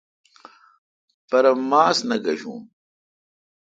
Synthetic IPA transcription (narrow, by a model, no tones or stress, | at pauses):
pɐɾɐmaːsnɐɡɐʑṵ̃ːm